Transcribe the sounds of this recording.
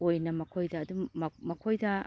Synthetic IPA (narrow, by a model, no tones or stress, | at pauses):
ojnɐmɐkʰojdɐːdummɐkʰojdɐ